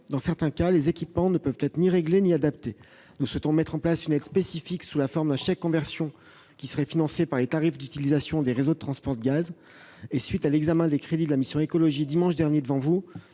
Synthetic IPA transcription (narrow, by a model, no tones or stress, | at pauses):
d̪ɑ̃sɛʁt̪ɛ̃kalezekʲipmɑ̃nəpœvt̪ɛt̪χniʁeɡleniad̪apt̪e | nuswɛt̪ɔ̃mɛt̪χɑ̃plasynɛd̪spesifiksulafɔʁmd̪ɛ̃ʃakkːɔ̃vɛʁsjɔ̃ | kʲisəʁɛfinɑ̃sepaʁlet̪aʁifd̪yt̪ilizasjɔ̃d̪eʁezod̪ət̪χɑ̃spɔʁd̪əɡaz | esɥit̪alɛɡzamɛ̃d̪ekχed̪id̪əlamisjɔ̃ekɔlɔʒid̪imɑ̃ʃd̪ɛʁnjed̪əvɑ̃vu